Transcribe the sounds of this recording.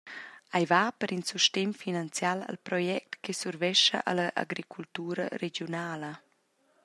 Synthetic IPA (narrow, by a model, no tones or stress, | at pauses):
ajvapəɾinsuʃtemfinant͡sjala̰lpɾɔjɛk̚t̪kesuɾvɛʃə̰ʔa̰laʔa̰ɡɾikʰult̪uːɾə̰ɾeɡjunaːlə